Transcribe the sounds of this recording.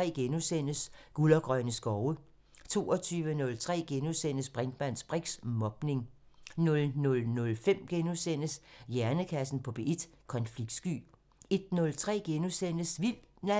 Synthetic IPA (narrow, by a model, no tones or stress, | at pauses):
ɛ̰ːɡ̥enusen̰əsɡ̥ulɐɡ̥ʁɶnəsɡ̥ɒʊə | t͡sʰo̝̰ːɒt͡sʰyːʋənɔ̽lt͡sʰʁɛ̰ːɡ̥enusen̰əsb̥ʁeŋ̥mæn̰sb̥ʁiɡ̥smɒ̽b̥ne̝ŋ | nɔ̽lnɔ̽lnɔ̽lfem̰ɡ̥enusen̰əsjæɐnəkʰæsn̩pʰɒ̽b̥eʔed̥ | kʰɒ̽nfliɡ̥̚d̥sɡ̥y̰ː | e̝d̥nɔ̽lt͡sʰʁɛ̰ːɡ̥enusen̰əsʋil̰̥næ